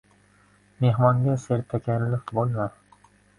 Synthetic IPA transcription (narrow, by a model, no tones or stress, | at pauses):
meɦmɒŋɡʲaseɾt̪ʰakʲanlɪkbolˠma